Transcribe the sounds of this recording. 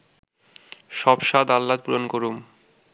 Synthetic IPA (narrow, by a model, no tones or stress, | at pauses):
ʃɔbʃad̪alːat̪̚puɾonkoɾum